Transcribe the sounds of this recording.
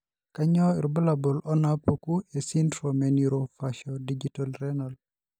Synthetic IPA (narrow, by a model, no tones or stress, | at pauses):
kaɲɔiɾbəlabɔlɔnapokuesintɾɔmeniɾofaʃɔdid͡ʒitalɾɛnal